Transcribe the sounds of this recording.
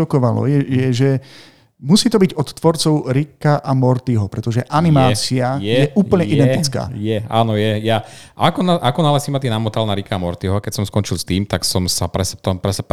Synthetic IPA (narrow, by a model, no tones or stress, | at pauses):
ɔkɔʋalɔ̰jɛjɛʒɛ | musiːt̪ɔbiɟɔt̪t̪ːʋɔɾt͡sɔʊɾikaʔamɔɾt̪iɦɔpɾɛt̪ɔʒɛʔanimaːt͡siajɛjɛʔuːpl̩ɲɛʔidd̪ɛnt̪it͡ska̰ːjɛa̰ːnɔjɛjaakɔnaʔakɔnalɛsimat̪̬iɛnamɔt̪alnaɾikaːmɔɾt̪iɦɔakɛcsɔmskɔnt͡ʃilˠst̪iːmt̪aksɔmsapɾɛst̪ɔmpɾɛsɛp